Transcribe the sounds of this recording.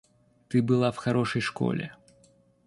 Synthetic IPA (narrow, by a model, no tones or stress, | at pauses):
t̪ɨbɨlˠawxaɾɔʂɐjʂkɔ̰lʲɛ̰